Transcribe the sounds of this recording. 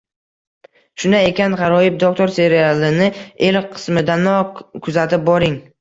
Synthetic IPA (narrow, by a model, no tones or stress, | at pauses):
ʃʊnae̞kʲanʁɑɾɒɪp̚d̪ok̚t̪ʰo̞ɾse̞ɾialˠɪnɪelqʰɨ̥smɪd̪anɒkʰʊzat̪ɪp̚bɒɾɪŋ